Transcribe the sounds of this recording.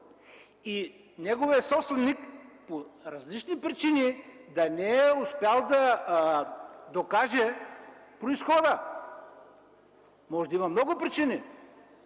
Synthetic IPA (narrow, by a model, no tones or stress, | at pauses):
i | nɛɡoviəsɔpst̪vɛnnikpoɾɐzlit͡ʃnipɾit͡ʃinid̪ɐnɛɛʊspɛalˠd̪ɐ | d̪okaʒɛpɾoisxɔd̪ə | mɔʒɛd̪ɐimɐmnɔɡʊpɾit͡ʃini